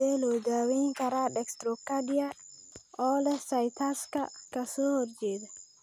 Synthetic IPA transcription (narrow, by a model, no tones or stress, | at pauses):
ɛloɡawikaɾaɗɛkstɾokːaɗija | ɔlɛsajt̪ʰaska̰kɐsoɾd͡ʒed̪